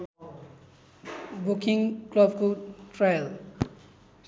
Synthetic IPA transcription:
bukiŋklʌb̚kotrajʌl

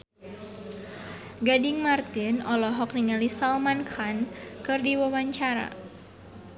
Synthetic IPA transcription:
ɡadɪŋmart̪ɪnɔlɔɦɔkniŋalisalmankʰankɨrdiwawaɲt͡ʃaɾa̰

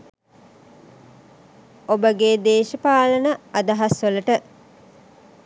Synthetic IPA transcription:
obəɡeːd̪eːʃəpaːlənəad̪ɐɦɐsʋələʈə

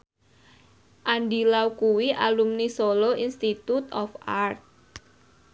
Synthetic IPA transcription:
ʔandilaukuwiʔalumnisoloʔinst̪it̪ut̪ɔfart̪̚

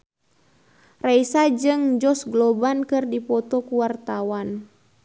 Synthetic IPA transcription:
raisad͡ʒɨŋd͡ʒɔsɡlɔbankɨrdipɔt̪ɔkuwart̪awan

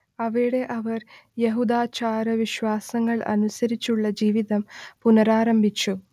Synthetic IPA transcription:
ɐʋɐɾiɽe̞ʔɐʋɐrjeɦud̪aːt͡ɕaːɾɐʋiɕʋaːsɐŋːɐɭɐ̰nusɐɾit͡ɕːuɭːɐd͡ʑiːʋiðɐmpunɐɾaːɾɐmbʱit͡ɕːu

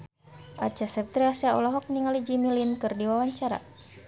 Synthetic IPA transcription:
ʔa̰t͡ʃasɛp̚t̪ɾiasaɔ̰laɦɔk̚niŋalid͡ʒimilinkɨrdiwawaɲt͡ʃaɾa̰

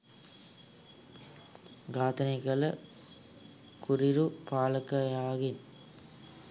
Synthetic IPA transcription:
ɡaːt̪ɐnɐɪɣɐɭɐ | kʰʊɾɪɾupaːlɐkːɐjaːɣɪn

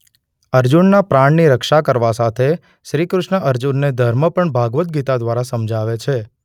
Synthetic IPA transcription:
əɾd͡ʒunːapɾaɳniɾəkʃakəɾʋasat̪ʰe | ʃɾikɾʊʃɳəʔəɾd͡ʒunːed̪ʱəɾməpəɳbʱaɡʋət̪̚ɡit̪ad̪ʋaɾasəmd͡ʒʱaʋet͡ʃʰe

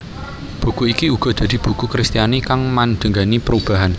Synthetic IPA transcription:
b̥ṳkuikiuɡ̥ɔ̤d̪̥ä̤d̪̥i̤b̥ṳkukɾist̪ijanikaŋmand̪̥əŋɡanipəɾub̥a̤ɦan

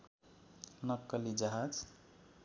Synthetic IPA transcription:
nəkːəlid͡ʒaɦad͡ʒ

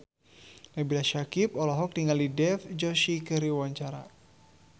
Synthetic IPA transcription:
nabilaʃakipɔlɔɦɔk̚niŋɡaldidɛfd͡ʒɔʃikɨɾiwaɲt͡ʃaɾa̰

